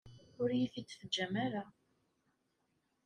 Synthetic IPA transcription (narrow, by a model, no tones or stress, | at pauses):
ʊɾjiθit͡sːfəd͡ʒːæmaɾa